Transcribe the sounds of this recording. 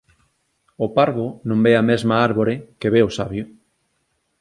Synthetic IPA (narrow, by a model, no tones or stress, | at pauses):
opaɾβonõmbeamezmaaɾβoɾekeβeosaβjʊ